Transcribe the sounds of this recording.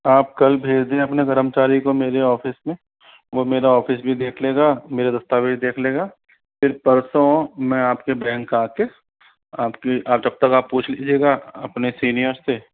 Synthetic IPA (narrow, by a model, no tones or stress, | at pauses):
aːp̚kɐlbʱeːd͡ʒd̪ẽɐpneɡɐɾəmt͡ʃaːɾikomeːɾeɔːfɪsmẽ | ʋomeːɾaɔːfɪsbʱid̪eːkʰleːɡaːmeːɾad̪ɐst̪aːbiʃd̪eːkʰleːɡaː | pʰɪɾpɐɾsomɛ̃aːpkebɛ̃ːŋkːaːke | aːpkiʔaːpd͡ʒɐb̚t̪ɐkaːpːuːt͡ʃʰld͡ʒeːɡaɐpnesiːnijəɾse